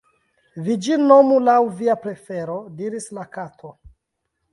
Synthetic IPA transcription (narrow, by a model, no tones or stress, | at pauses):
vid͡ʒinomulawviapɾe̞fe̞ɾodiɾislakatʰo